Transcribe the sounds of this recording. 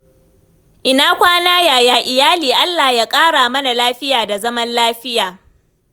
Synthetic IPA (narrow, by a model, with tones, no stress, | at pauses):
ʔɪ˨naː˦kʷaː˦naː˦jaː˨jaː˨ʔɪ˨jaː˦liː˨ʔa˦lːaː˨hja˦kʼaː˦ɽaː˨mɐ˦na˨laː˦ɸɪ˦jaː˨da˨zɐ˦mɐ˦nlaː˦ɸɪ˦jaː˨